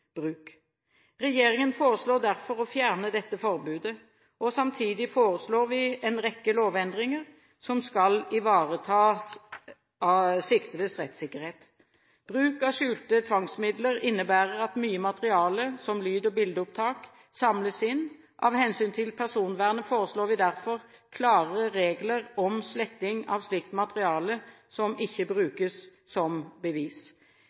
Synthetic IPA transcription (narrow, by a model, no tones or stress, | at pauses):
b̥ʁʉːk | ʁɛjeːʁɪŋənfoːʁəsloːd̪æʁfɔʁɔfjæːʁnəd̪ɛt̪ːəfɔʁbʉːd̪ə | ɔsɑmt̪ʰiːd̪ɪfoːʁəsloːʁʋɪɛnʁɛkːəloːʋɛnd̪ʁɪŋəʁ | sɔmskɑlɪʋɑːʁət̪ʰɑː | sɪkt̪ələsʁɛt̪sɪkːəʁheːt̪ | b̥ʁʉːkɑʂʉːlt̪ət̪ʰʋɑŋsmɪd̪ləʁɪnːəbæːʁəʁɑt̪myːəmɑt̪əʁɪɑːləsɔmlyːd̪əbɪld̪əʊp̚t̪ʰɑːk | sɑmləsɪn | ʔɑʋhɛnsyːnt̪ʰɪlpʰæʁsuːnʋæːʁnəfoːʁəsloːʋɪd̪æʁfɔʁkʰlɑːʁəɾeːɡləʁɔmslɛkt̪ɪŋɑʋslɪkt̪mɑt̪əʁɪɑːlə | sɔmɪçːəbʁʉːkəsː | ɔmbəʋiːs